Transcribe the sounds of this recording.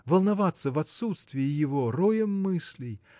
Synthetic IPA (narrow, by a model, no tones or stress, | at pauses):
vəlˠnɐvat̪səvɐt̪sut̪st̪vʲɪɪjɪvoɾojəmːɨsʲlʲɪj